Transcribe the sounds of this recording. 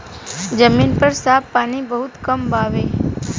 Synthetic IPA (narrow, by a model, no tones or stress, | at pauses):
d͡ʒəminpəɾsapːanibəɦut̪kəmbaʋe